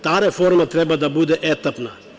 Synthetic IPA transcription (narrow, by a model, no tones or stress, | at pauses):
t̪aːɾɛfoːɾmɐt̪ɾɛbɐd̪ɐbud̪eʔɛːt̪ːɐpna